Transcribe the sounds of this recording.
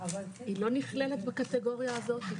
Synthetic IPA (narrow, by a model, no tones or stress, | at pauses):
ilo̞niχlelet̪bakat̪eɡo̞ʁjaːzo̞t̪i